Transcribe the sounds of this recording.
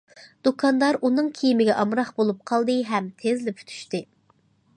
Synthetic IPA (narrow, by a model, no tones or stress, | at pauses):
d̪̥ukʰɑnd̪ɑɾʔunɨŋkʲʰijimɪɡʲɛʔɑmɾɑχbolˠup̚qʰɑlˠd̪ɨɦɛmt̪ʰezlɪpʰy̥t̪ʰy̥ʃt̪ɪ